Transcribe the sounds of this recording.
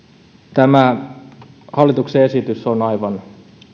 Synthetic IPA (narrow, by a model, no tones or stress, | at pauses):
t̪æmæ | hɑlːˑit̪ukseesit̪ysonɑiʋɑn